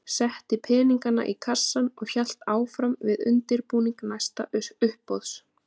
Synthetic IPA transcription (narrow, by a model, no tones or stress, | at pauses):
sɛht̪ɪpʰɛːniŋkana̰ʔikʰasːanɔɣçɛl̥t̪aːwfɾamvɪðʏnt̪ɪɾpuːniŋknajst̪aʏʏhpːɔðs